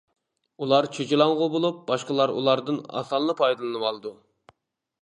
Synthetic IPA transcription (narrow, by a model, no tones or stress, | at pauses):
ulˠɑɾt͡ʃʰet͡ʃilˠɑɴʁʊbolˠup̚bɑʃqəlˠɑɾṵlˠɑɾd̪ɨnɑ̰sɑlˠːɨpʰɑjd̪ɨlˠɨnɨwɑlˠɨd̪u